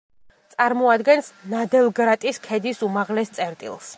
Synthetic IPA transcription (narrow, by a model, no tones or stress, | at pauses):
t̪sʼaɾmɔad̪ɡɛnsnad̪ɛlˠɡɾat̪ʼiskʰɛd̪isumaʁlɛst̪sʼɛɾt̪ʼḭlˠs